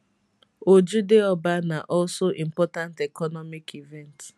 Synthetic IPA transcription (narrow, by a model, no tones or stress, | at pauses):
od͡ʒudeɔbanaʔɔlsoʔĩm̩pɔtãntekɔnɔmikʰivɛnt